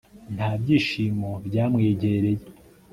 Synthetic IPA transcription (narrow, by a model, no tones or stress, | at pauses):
n̥haːbɟiːʃiːmobɟaːmŋeːɟeeɾe̞je